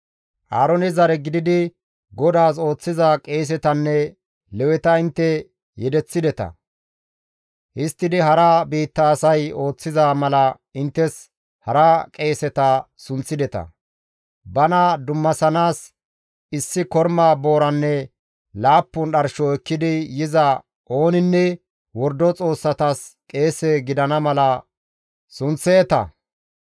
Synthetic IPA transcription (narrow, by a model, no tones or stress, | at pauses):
ʔaːɾɔnɪzɐɾɛɡɪd̪ɪd̪ɪ | ɡɔd̪aːs̬o̞ːt͡sːɪzakʼe̞ːs̬ɛt̪ɐnːɛ | lɛwɛt̪ɐɪnt̪ːɛ | jɛd̪ɛt͡sːɪd̪ɛt̪ɐ̰ | ʔɪst̪ːɪd̪ɪɦɐɾɐbiːt̪ːɐːsɐjo̞ːt͡sːɪzaːmɐlɐ | ɪnt̪ːɛs | hɐɾɐkʼe̞ːsɛt̪ɐ | sʊnt͡sːɪd̪ɛt̪ɐ̰ | bɐnɐd̪ʊmːɐsɐnaːs | ɪsːɪkɔɾmaːbo̞ːɾɐnːɛ | laːpːʊnɗɐɾʃɔɛkːɪd̪ɪjɪzɐ | ʔo̞ːnɪnːɛ | wɔɾd̪ɔt͡sʼo̞ːsːɐt̪askʼe̞ːsɛɡɪd̪ɐnɐmɐlɐ | sʊnt͡sːeːt̪ɐ̰